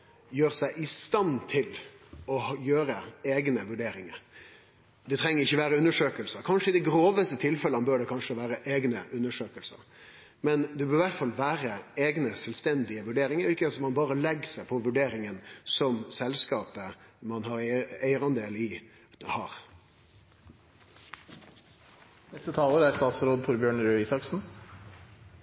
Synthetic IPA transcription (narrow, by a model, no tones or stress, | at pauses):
jøːɾsæɪʔɪst̪ɑnt̪ʰɪlɔhjøːɾəeːɡnəʋʉɖeːɾɪŋə̰ɾ | d̪ɛt̪ʰɾɛŋːəɾɪçːəʋæːɾəʉnːəʂøːkəlsəkʰɑnʂəɪd̪ɛɡɾoːʋəst̪ət̪ʰɪlfɛləmbøːɖɛkʰɑnʂəʋæːɾəʔeːɡnəʔʉnːəʂøːkəlsə̰ | mɛnd̪ɛbøːɾʋæʈfɑlːʋæːɾəeːɡnəsɛlst̪ɛnd̪ɪəʋʉɖeːɾɪŋəɾɔɪkːəsɔmɑnbɑːɾəlɛɡsæɪpʰɔʋʉɖeːɾɪŋənsɔmsɛlskɑːpəmɑnhɑɾæɪɾɑnd̪eːlɪ | hɑ̰ːɾ | nɛst̪ət̪ʰɑːləɾæɾst̪ɑːt̪sɾoːd̪̚t̪ʰʊɾbjøːɳɾʉisɑksn̩